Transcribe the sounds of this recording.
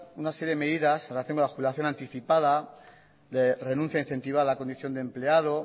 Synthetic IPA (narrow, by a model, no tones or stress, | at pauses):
unaseɾjeeme̞ðiðasenrelaθjoŋkonlaxuβilaθjo̞nãnt̪iθipaða | d̪ere̞nũn̟θjain̟θe̞nt̪iβaalako̞nd̪iθjond̪emple̞að̞o̞